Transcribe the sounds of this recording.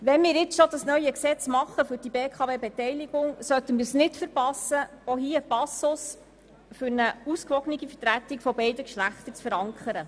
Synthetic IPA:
ʋɛnmɪːɾɪt͡sʃɔd̪ɑsnœʏjəksɛt͡smɑχːəfʏɾd̥ibeːkʰɑʋeːbɛtɛjliɡ̥ʊŋsœtənmɪːɾsnɪtfəɾpɑsəoɦiːəpɑsʊs | fʏɾnəuskʋɔɡəniɡifətɾæt̪ːikfɔbɛɪdəkʃlæχt̪ət͡sfəɾɑŋkʰəɾə

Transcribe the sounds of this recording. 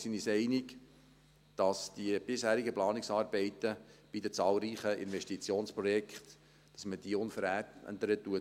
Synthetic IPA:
sinisɛɪnɪk | d̥ɑsd̥iəb̥ɪshæːɾiɡəplɑːnɪksɑːɾbɛɪt̪əb̥idət͡sɑːlɾiːχəʔɪ̰nʋɛʃtit͡sjoːnspɾɔjɛkχt̪ | d̥ɑsməd̥iːʊnfəɾæ̰ːnt̪əɾət̪ːuə

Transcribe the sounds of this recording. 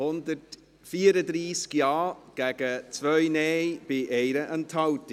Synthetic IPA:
hʊndərt | fiːɾədɾiːskjɑːɡ̥ɛɡət͡svœʏnejb̥eʔejɾəʔəntʰawti

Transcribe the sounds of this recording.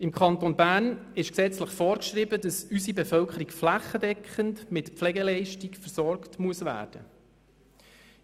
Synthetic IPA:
ɪmkʰɑntonbæːnɪʃksɛt͡sləχfɔːɾkʃɾibədɑsysibɛfœlkʰəɾikflæχədɛkχəntmɪtpflɛɡəlɛɪʃtikfəɾsɔɾktmuəsʋæ̰ːɾd̥ə

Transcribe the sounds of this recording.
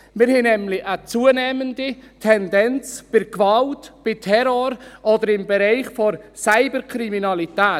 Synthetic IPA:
mɪɾhɛnɛmlɪʔət͡suːənɛːmənditʰɛndɛnt͡sb̥ɪɾkvɑltb̥ɪtʰɛɾoːɾʔɔdəɾɪmbɛɾaɪχfɔɾsaɪbəɾkʰɾiminɑlitɛː

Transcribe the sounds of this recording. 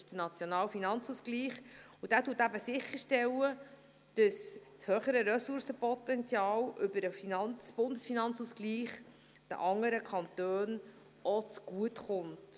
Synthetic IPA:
ʃd̥ənɑt͡sjɔnɑːlfinɑnt͡suːsɡliːχ | ud̥æːtuːətæbəsɪχːəɾʃtɛlə | d̥əsshœːχəɾəɾɛsʊɾsəpɔt̪ɛnt͡sjɑːlʔʏbəɾəfinɑnb̥ʊndəsfinɑnt͡susɡ̥liːχ | d̥ə̰ʔɑŋːəɾəkʰχɑnt̪øːn | ɔt͡sɡ̥uətχʊnt

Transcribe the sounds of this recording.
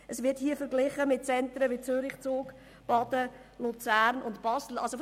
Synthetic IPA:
əsʋɪɐthiːəfəɾɡlɪχəmɪt̚t͡sɛntɾəʋit͡søɾɪχt͡soːk | b̥ɑdə | lut͡sæːɾnʊntb̥ɑsl̩ʔɑlso

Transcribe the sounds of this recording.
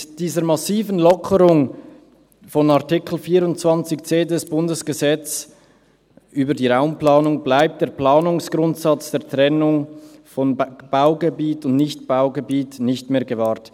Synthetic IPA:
d̥iːzəɾmɑsiːvənlɔkʰəʁʊŋ | fɔnaʁtɪkʰl̩fiːɾʊntt͡sv̥ɑnt͡sɪçt͡seːdɛsb̥ʊndəsɡ̥əzɛt͡s | ʔyːbədiːʁaʊmplɑːnʊŋblaɪp̚t̚d̥eːɐplaːnʊŋsɡ̥ʁʊntsɑt͡sd̥eːɐtʁ̥ɛnʊŋfɔnb̥aʊɡəbiːtʊndnɪçtb̥aʊɡəbiːtnɪçtmeːɐɡəvaːʁt

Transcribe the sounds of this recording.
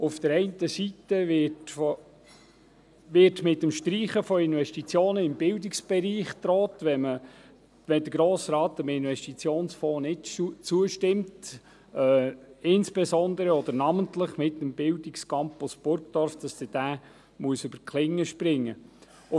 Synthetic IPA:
ʊfd̥̪əɾɛɪntəsitəɪtfo | ʋɪtmɪtːəmʃtɾiːχəfɔɪnʋɛʃtit͡sjoːnəɪmbɪldɪksb̥ɛɾiːχt̪ɾɔːtʋɛmə | ʋɛnd̪əɡ̥ɾoːsɾɑːt̪əmɪnʋɛʃtit͡sjoːnsfɔːnɪtt͡suəʃtɪmt | ɛːɪnsb̥ɛsɔnd̪əɾəɔd̥̪əɾnɑməntləχmɪtːəmb̥ɪldikskɑmpɔsb̥ʊɾkd̥̪ɔɾfd̥ɑsd̥ɪd̥æː | muəsʉb̥əɾkχlɪŋːəʃpɾɪŋːə | ʊ

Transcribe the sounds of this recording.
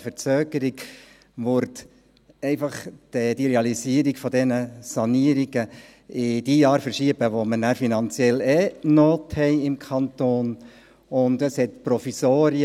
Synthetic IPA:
fəɾt͡søːɡəɾiɡ | ʋʊɾt | ɛɪfɑχd̥ɛd̥iɾeɑlisiəɾiɡ̥fɔd̪ɛnəsɑniəɾiɡə | ɪd̥iːjɑːɾfəɾʃiəbəʋomənæɾfinɑnt͡sjɛlɛnoːthɛɪɪmkʰɑnt̪oːn | ʊndəshɛtpɾɔfisoːɾi

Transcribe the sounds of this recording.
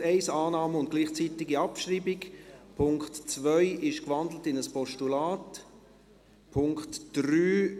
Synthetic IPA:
ɛɪsaːnɑːməʊnt̚ɡ̥liːχt͡sitɪɡiɑpʃriːbɪkpʰʊŋktt͡svœʏʔɪʃkvɑnd̪l̩tɪnəspʰɔʃtulaːt | pʰʊŋktd̥ryː

